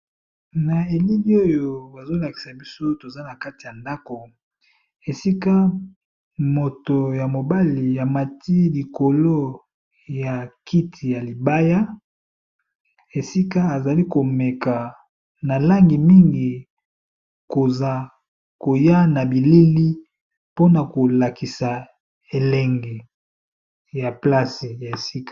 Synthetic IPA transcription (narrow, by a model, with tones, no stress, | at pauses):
na˨e˨li˦li˦o˦jo˨ba˨zo˦la˨ki̥˨sa˨bi˦so˦to˨za˦na˨ka˦ti˨ja˨nda˦ko˨ | e˨si˦ka˦ | mo˨to˨ja˨mo˨ba˦li˨ja˨ma˨ti˦li˨ko˨lo˦ | ja˨ki˦tʰi˨ja˨li˨ba˦ja˦ | e˨si˦ka˦a˨za˨li˦ko˨me˨ka˨ | na˨la˦ŋɡi˨mi˦ŋɡi˨ | ko˨za˨ | ko˨ja˦na˨bi˨li˦li˦ | po˦na˨ko˨la˨ki˨sa˨ | e˨lɛ˨ŋɡe˨ | ja˨pla˦si˨ja˨e˨si˦kḁ˨